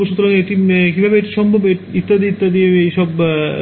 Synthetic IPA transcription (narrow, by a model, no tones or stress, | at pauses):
oʃut̪ːoɾaŋeeʈikibʱabeeʈiʃɔmbʱobeit̪ːad̪iit̪ːad̪ieeʃɔb